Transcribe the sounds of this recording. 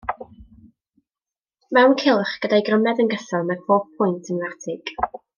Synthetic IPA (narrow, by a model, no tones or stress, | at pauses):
mɛwnkʰɪlˠχɡ̥ədajɡrəmɛdənɡəθɔmɛrpoːpʰʊjntʰənvatʰɪɡ̥